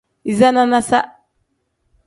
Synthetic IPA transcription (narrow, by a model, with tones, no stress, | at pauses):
i˨za˦na˦na˦sa̰˦